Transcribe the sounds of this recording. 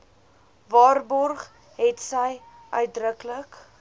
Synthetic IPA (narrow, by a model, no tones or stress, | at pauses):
vɑːrbɔrχ | ɦɛtsəj | ʔœɥt̚drəklək